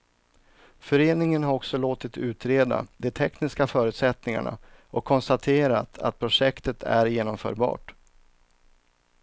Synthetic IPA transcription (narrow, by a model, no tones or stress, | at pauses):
fœɾeːnɪŋənɦaɾɔksɔloːt̪ɪt̪ʉ̟ːt̪ɾeːd̪a̰d̪ɛt̪ʰɛknɪskafœːɾʉ̟t̪sɛt̪nɪŋa̰ɳa̰ʔɔkʰːɔnst̪at̪ʰeːɾat̪ʰa̰t̪̚pʰɾʊʂɛkt̪ət̪ʰæ̰ɾjeːnɔmfœ̰ːɾbɑ̰ːʈ